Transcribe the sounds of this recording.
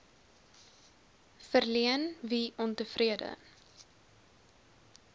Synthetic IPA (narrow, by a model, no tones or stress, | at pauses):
fərliənviʔɔntəfriədə̰